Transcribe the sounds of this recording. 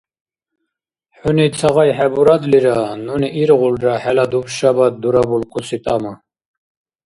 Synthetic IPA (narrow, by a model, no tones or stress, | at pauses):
ħunit͡sʰaɣajħɛbuɾad̪liɾanuniʔiɾʁulɾaħɛlad̪upʃabad̪uɾabulkʰʼusit̪ʼama